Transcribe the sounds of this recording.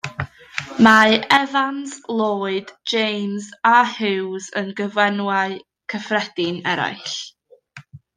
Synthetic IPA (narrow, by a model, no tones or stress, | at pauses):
maʔɛvanzlˠoːɨd̥d͡ʒejmzahɪwzənɡəvwɛnwaɨ | kʰəfrɛd̥ɪnɛɾa̰jɬ